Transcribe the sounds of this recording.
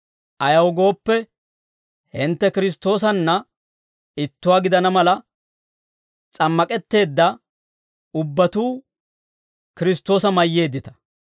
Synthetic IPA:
ʔɐjɐwɡo̞ːpːɛ | hɪnt̪ːɛkɪɾɪs̬t̪ːo̞ːsɐnːɐ | ɪt̪ːʊwaːɡɪd̪ɐnɐmɐlɐ | t͡sʼɐmːɐkʼɛt̪ːe̞ːd̪ːɐ | ʊbːɐt̪uː | kɪɾɪst̪o̞ːsɐmɐjːe̞ːd̪ːɪt̪ɐ̥

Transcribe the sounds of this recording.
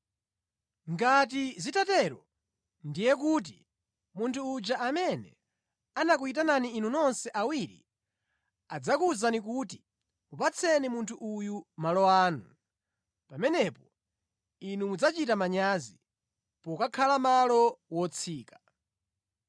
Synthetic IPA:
ŋɡat̬izitatɛɾɔ | ndijɛk̬ut̬ḭ | muntʰuːd͡ʒaamɛnɛ̰ | anakuitananiːnunɔnsɛʔawiɾḭ | ad͡zakuzanikuːti | mupat͡sʰɛnimuntʰuʔujumalɔaːnu | pamɛnɛpɔ | inumud͡zat͡ʃitamaɲazi | pɔkakʰalamalɔwɔt͡sʰiːkḁ

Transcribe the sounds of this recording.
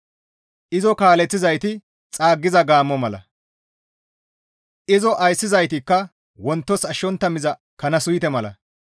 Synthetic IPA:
ʔɪzɔkaːlɛt͡sːɪzɐjt̪ɪ | t͡sʼaːɡːɪzɐɡaːmːɔmɐlɐ̰ | ʔɪzɔʔɐjsːɪzɐjt̪ɪkːɐ | wɔnt̪ːɔsɐʃːɔnt̪ːɐmɪzɐkɐnɐsʊjt̪ɛmɐlɐ̰

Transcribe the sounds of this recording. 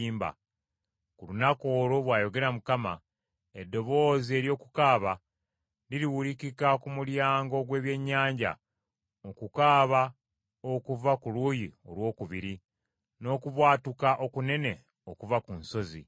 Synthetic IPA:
mba̰ | kulunako̞ːlo̞βwaːjo̞ɡe̞ɾamukama̰ | edːo̞βo̞ːzie̞ːɾjo̞ːkukaːβa | liɾiwulikikakumuljaːŋɡo̞ɡwe̞ːβje̞ɲːaːɲɟa̰ | okukaːβa | okuvakulujio̞̰lwo̞ːkuβiɾi | no̞ːkuβwaːtukaʔo̞kune̞ne̞ | o̞kuvakunso̞zḭ

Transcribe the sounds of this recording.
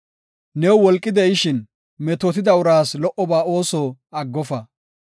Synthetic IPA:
nɛwwɔlkʼːɪd̪ɛjɪʃɪn | mɛt̪ɔt̪ɪd̪ɐʊɾaːslɔʔɔbaːo̞ːsɔɐɡːɔfɐ

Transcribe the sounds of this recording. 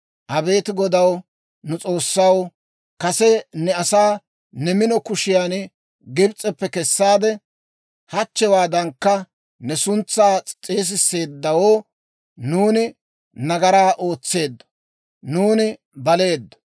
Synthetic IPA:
ʔɐbe̞ːt̪ɪɡɔd̪ɐw | nʊt͡sʼo̞ːsːɐw | kɐsɛnɛɐsaː | nɛmɪnɔkʊʃɪjaːn | ɡɪbt͡sʼɛpːɛkɛsːaːd̪ɛ | hɐt͡ʃːɛwaːd̪ɐŋkːɐ | nɛsʊnt͡sːaːt͡sʼt͡sʼeːs̬ɪsːe̞ːd̪ːɐwoː | nuːnɪ | nɐɡɐɾaːʔo̞ːt͡sːe̞ːd̪ːɔ̥ | nuːnɪ | bɐle̞ːd̪ːɔ̥

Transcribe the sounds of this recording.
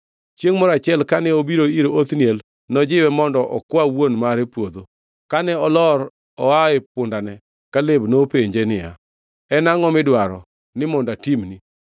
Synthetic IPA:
t͡ʃjeŋmɔɾat͡ʃɪɛlkanɛobiɾoiɾoot̪niel | nɔd͡ʒɪwɛmɔndɔʔɔkwawonmaɾepwod̪o | kanɛɔlɔɾ | ɔaɪp̚ʊndanɛ | kalebnopeɲd͡ʒenɪja̰ | ɛnaŋɔmɪdwaɾɔ̰ | nɪmɔndatimni

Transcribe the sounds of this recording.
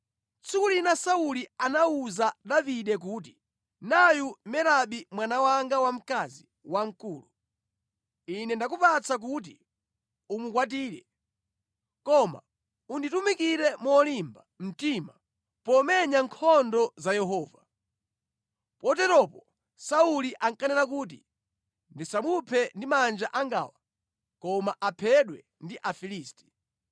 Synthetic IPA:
t͡sʰikulinasaulianauzaɗaviɗɛk̬uːt̬i | najumɛɾaɓimwanawaŋɡawam̩kazi | waŋ̩kuːlu | inɛndak̬upat͡sak̬ut̬i | umukwat̬iːɾɛ̰ | kɔma̰ | unditumikiɾɛmuɔlimbam̩tima | pɔmɛɲaŋkʰɔndɔzajɛɦɔːva | pɔtɛtɔpɔ | sauliʔaŋkanɛlakuːt̬ḭ | ndisamupʰɛndimand͡ʒaʔaŋɡa̰ːwa | kɔmaʔapʰɛɗwɛ | ndiʔafiliːsti̥

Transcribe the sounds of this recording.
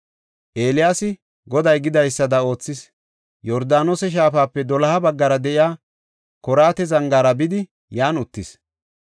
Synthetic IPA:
ʔe̞ːlɪjaːsɪ | ɡɔd̪ɐjɡɪd̪ɐjsːɐd̪ɐo̞ːt͡sːɪs | jɔɾd̪aːnoːsɛʃ̬aːfaːpːɛd̪ɔlɐhɐbɐɡːɐɾɐd̪ɛʔɪjaː | kɔɾaːt̪ɛzɐŋɡaːɾɐbɪd̪ɪ | jaːnʊt̪ːɪs

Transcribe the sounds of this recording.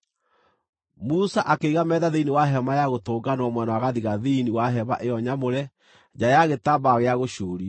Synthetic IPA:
musaʔakeiɣamɛðaðeiniwaɦɛmajaɣotoːɡanwɔmwɛnawaɣaðiɣaðiniwaɦɛβa̰ʔeɔɲamoɾɛ | d͡ʒajaɣetabaɣeaɣoɕuːɾi

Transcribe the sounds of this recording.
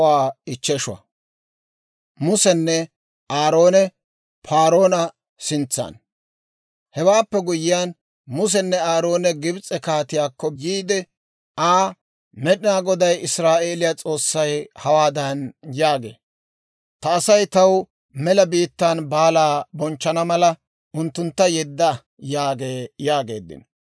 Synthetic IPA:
waːɪt͡ʃːɛʃʊwɐ̰ | mʊsɛnːɛ | ʔaːɾo̞ːnɛ | pʰaːɾo̞ːnɐ | sɪnt͡sːɐ̰ːn | hɛwaːpːɛɡʊjɪjaːn | mʊs̬ɛnːɛaːɾo̞ːnɛɡɪbt͡sʼɛkaːt̪ɪjaːkːɔjiːd̪ɛ | aː | mɛɗɪnaːɡɔd̪ɐjɪsɾaːʔe̞ːlɪjat͡sʼo̞ːsːɐjhɐwaːd̪ɐnjaːɡḛː | t̪ɐːsɐjt̪ɐw | mɛlɐbiːt̪ːaːnbaːlaːbɔnt͡ʃːɐnɐmɐlɐ | ʊnt̪ːʊnt̪ːɐjɛd̪ːɐ | jaːɡe̞ːjaːɡe̞ːd̪ːɪ̰n

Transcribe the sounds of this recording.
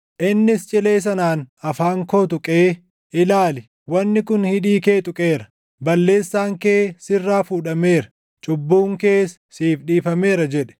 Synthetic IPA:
ʔɪnːɪst͡ʃʼɪle̞ːs̬ɐnaːnɐfaːŋko̞ːt̪̬ʊkʼeː | ʔɪlaːlɪ | wɐnːɪkʊnhɪᶑiːke̞ːt̪ʼʊkʼeːɾɐ | bɐlːe̞ːsːaːŋkeːsɪrːaːfuːᶑɐme̞ːɾɐ | t͡ʃʼʊbːuːŋkeːs | siːfɗiːfɐme̞ːɾɐd͡ʒɛᶑɛ̥

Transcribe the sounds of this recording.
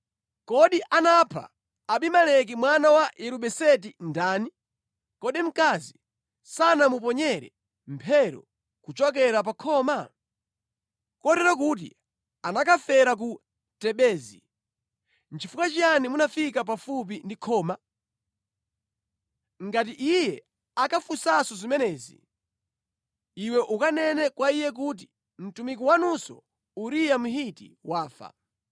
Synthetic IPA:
kɔɗiʔanapʰa̰ː | ɓimalɛk̬imwanawajɛɾuɓɛsɛt̬indaːni | kɔɗim̩kazi | sanamup̬ɔɲɛɾɛ̰ | mpʰɛɾɔ̰ | kut͡ʃɔk̬ɛɾap̬akʰɔːma | kɔtɛɾak̬ut̬ḭ | anakʰafɛɾak̬u | tɛɓɛːzḭ | n̩t͡ʃifukat͡ʃianimunafik̬ap̬afup̬indikʰɔːma | ŋɡat̬iʔijɛ | akafusasɔzimɛnɛːzḭ | iwɛʔukanɛnɛkwaijɛk̬ut̬i̥ | m̩tumikuwanusɔ̰ | uɾijam̩ɦitḭwaːfa̰

